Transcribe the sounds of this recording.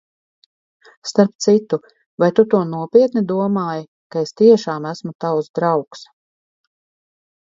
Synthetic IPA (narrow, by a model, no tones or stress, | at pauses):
st̪aɾp̚t̪sit̪u | vajt̪ut̪uɔnuɔpʲiɛt̪nid̪uɔmaːja | kaest̪iɛʃaːmæsmut̪awsd̪ɾawks